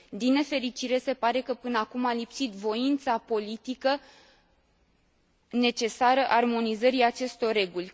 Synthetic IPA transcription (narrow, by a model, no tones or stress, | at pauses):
d̪inːe̞fe̞ɾit͡ʃiɾe̞se̞paɾe̞kəpɨnəakumalipsit̪vo̞int̪sapo̞lit̪ikə | ne̞t͡ʃe̞saɾəʔarmo̞nizəɾiat͡ʃe̞st̪o̞rrːe̞ɡulʲ